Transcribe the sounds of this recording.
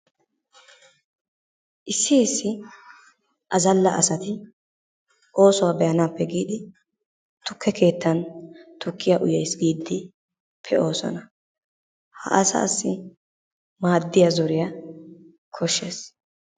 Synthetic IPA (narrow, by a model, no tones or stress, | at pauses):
ʔɪsːɪɪsːɪ | ʔɐzɐlːɐʔɐsɐt̪ɪ | ʔo̞ːsɔwabɛjɐnaːpːɛɡiːd̪ɪ | t̪ʊkːɛkʰe̞ːt̪ːɐnt̪ʊkːɪjaʔʊjɛjsɡiːd̪ːɪ | pʰːɛo̞ːsɔ̰nɐ | hɐ̰ʔɐsɐ̰ːsːɪ | maːd̪ːɪjazɔɾɪja | kʰɔʃːe̞ːs